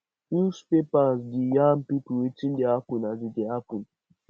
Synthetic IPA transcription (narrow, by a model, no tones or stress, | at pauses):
uspepazdijampipuwet͡ʃindeapunazideapun